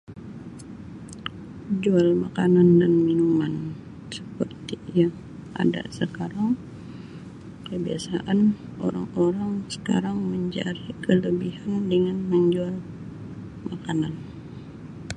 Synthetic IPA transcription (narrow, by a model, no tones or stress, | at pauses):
d͡ʒualmakanandanminuman | sə̥pərt̪ijaŋ | a̰da̰səkaɾaŋ | kəbiasaʔan | o̰ɾa̰ŋoɾaŋsə̥ka̰ɾaŋməɲd͡ʒa̰ɾikələbihandəŋanməɲd͡ʒual | makanan